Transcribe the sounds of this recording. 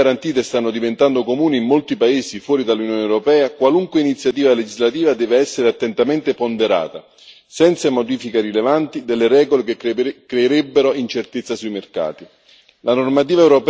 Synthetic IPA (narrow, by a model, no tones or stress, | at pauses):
aɾant̪iːt̪̬est̪anːod̪ivent̪and̪okomuːniːmːolt̪ipaeːsifwɔːɾid̪alːunjoːneɛwɾopɛːakwaluŋkweinit̪sːjat̪̬iːvaled͡ʒizlat̪iːvad̪ɛːveɛsːeɾeat̪ːent̪ament̪epond̪eɾa̰ːt̪a | sɛnt̪samod̪iːfikarilevant̪id̪elːeɾɛːɡolekekkːɾeiɾebːeɾoint͡ʃert̪et̪sːasuimerka̰ːt̪i | lanormat̪iːvaewɾop